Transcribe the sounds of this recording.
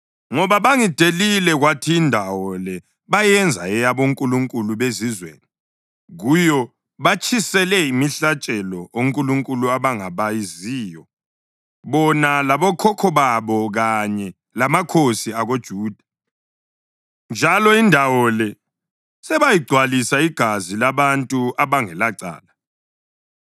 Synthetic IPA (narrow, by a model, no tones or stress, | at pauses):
ŋɔβaβaŋid̥ʱelilɛɣwatʰiːndʱawɔlɛ | βajɛnd͡zʱaɛjaβoŋkʼuluŋkʼuluβezizwḛːni | ɣujɔ | βat͡ʃʰʼisɛlɛimiɬat͡ʃʼɛlɔoŋkʼuluŋkʼuluaβaŋaβajiziːjɔ | βɔnalaβɔkʰɔkʰɔβaβɔɣaɲɛ | lamakʰosiaɣod̥ʒ̥ʱuːd̥ʱa | nd͡ʒʱalɔindʱawɔlɛ | sɛβajiɡ͡ǀʱwalisaiɡ̥ʱazilaβantʼuaβaŋɛlaǀa̰ːla